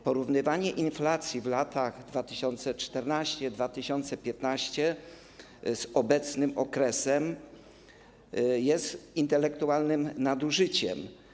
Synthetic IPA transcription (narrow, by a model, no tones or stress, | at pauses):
pɔɾuvnɘvaɲɛʔinflat̪sʲjivlat̪aɣd̪vat̪ɘɕɔnt̪sɛt͡ʂt̪ɛɾnaɕt͡ɕɛd̪vat̪ɘɕɔnt̪sɛpʲjɛt̪naɕt͡ɕɛ | z̥ɔbɛt̪snɘmɔkɾɛsɛm | jɛst̪int̪ɛlɛkt̪ualnɘmnad̪uʐɘt͡ɕɛ̰m